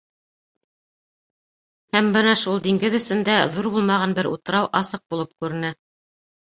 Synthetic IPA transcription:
hæmbɤnɑʃulˠd̪iŋɡɘðɵ̆sɘ̆nd̪æðuɾbulˠmɑʁɑnbɘɾʔṵt̪ɤ̆ɾɑwʔɑsɤq̚bulˠɤp̚kʉɾɘ̆nɘ

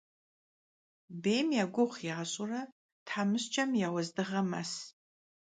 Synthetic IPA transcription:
beːmjaɡʷʊχʷiʁaɕʼurɐ | tħamɨɕt͡ʃʰʼɐmjawɐzdɨʁɐmas

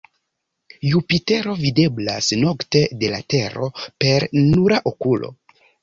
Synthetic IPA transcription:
jupite̞ɾo̞vide̞bla̰sno̞kte̞de̞la̰te̞ɾo̞pe̞ɾnuɾaʔo̞kulʔo̞̰

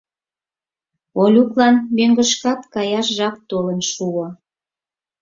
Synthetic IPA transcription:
olʲuklɑnmøŋɡə̆ʃkɑt̪kɑjɑʃʒɑp̚t̪olənʃuo

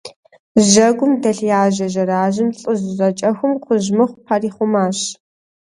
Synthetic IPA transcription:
ʒɐɡʷʊmdɐɬjaːʒɐʒɐɾaːʒɪmɬʼɨzzɐt͡ʃʼɐxʷʊmqʰʷʊʒmɨχʷʊpʰariːχʷʊmaːɕ

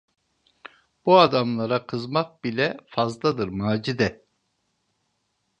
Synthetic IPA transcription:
b̥uad̪amlˠaɾakʰɯzmak̚bilʲɛfazd̪ˠad̪ɯɾmaːd͡ʒid̪ɛ

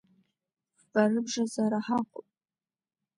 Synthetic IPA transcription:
barɨbʐazaɾaħaqʷʼʊpʼ

